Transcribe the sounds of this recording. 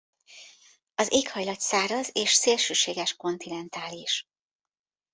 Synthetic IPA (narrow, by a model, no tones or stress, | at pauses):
ɒzeːkhɒjlɒt̪saːɾɒzeːʃseːlʃøːʃeːɡɛʃko̞nt̪inɛnt̪aːliʃ